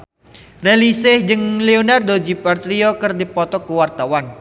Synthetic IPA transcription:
relisɪhd͡ʒɨŋleonard̪od͡ʒipart̪ɾiɔkərdipɔt̪ɔkuwart̪awan

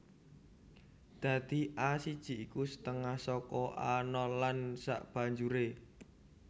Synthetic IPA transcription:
d̪̥ä̤d̪̥i̤ʔasid̥ʒ̥i̤ikusə̥t̪əŋahsɔkɔʔanɔlansa̰ʔb̥ä̤ɲd͡ʒuɾe

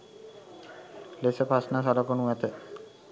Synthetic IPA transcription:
lesəpasnasɔlokonuɛt̪ə

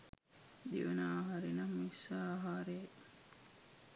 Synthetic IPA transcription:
d̪iʋenaːɦaɾenɐmisaːɦaːɾe

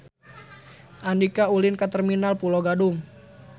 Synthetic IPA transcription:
ʔandikaulɪnkat̪ərminalpuloɡadum

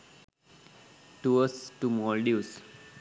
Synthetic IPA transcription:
ʈuəsʈumɔlɖius

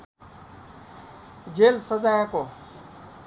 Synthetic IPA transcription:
d͡ʒeːlsəd͡zajãko

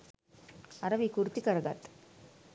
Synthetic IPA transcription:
ɐɾɐʋikuɾt̪ikɐɾɐɡa̰t̪

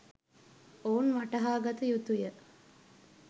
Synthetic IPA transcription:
oːunʋaʈɐɦaːɡat̪əjut̪ujə

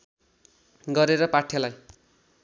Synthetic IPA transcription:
ɡʌɾeɾʌpaʈʰjʌlaj

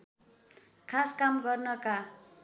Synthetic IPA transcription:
kʰaskamɡʌrnʌka

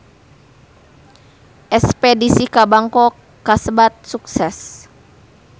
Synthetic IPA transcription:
ʔɛspɛdisikabaŋkɔkːasəbat̪̚suksɛs

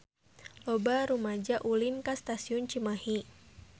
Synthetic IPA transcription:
lɔbaɾumad͡ʒaʔulinkast̪asiʊnt͡ʃimahi

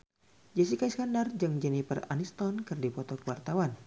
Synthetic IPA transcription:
d͡ʒɛs̬ikaiskandard͡ʒɨŋd͡ʒɛnipəra̰nist̪ɔnkɨrdipɔt̪ɔkəwart̪awan

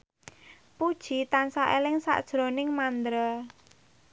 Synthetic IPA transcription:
pud̥ʒ̥i̤t̪ansaʔelɪŋsa̰ʔd̥ʒ̥ɾonɪŋmand̪ɾə

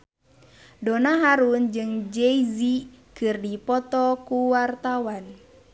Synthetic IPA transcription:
dɔnaɦaɾund͡ʒɨŋd͡ʒɛizikɨrdipɔt̪ɔkuwart̪awan

